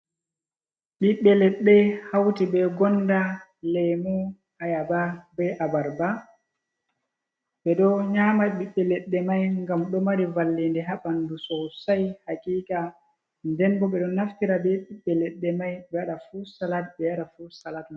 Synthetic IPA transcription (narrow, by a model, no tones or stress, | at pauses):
ɓiɓːɛlɛɗːɛhawtibɛɡɔnːda | lɛmu | ajababɛʔabaɾba | ɓɛɗɔɲaːmaɓiɓːɛlɛɗːɛmajŋɡamɗɔmaɾivalːindɛɦaɓandusɔsajhakʼiːkʼa | ndɛnbɔɓɛɗɔnaftiɾabɛɓiɓːɛlɛɗːɛmajɓɛaɗafusalat̚ɓɛjaɗafusalatma